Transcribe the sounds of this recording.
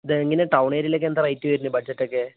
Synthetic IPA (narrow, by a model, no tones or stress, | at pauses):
ðɨŋːɐneʈɐwɳeːɾilekːend̪ɐrɐjtːɨʋɐɾunːɨbɐd͡ʑɐtːokːe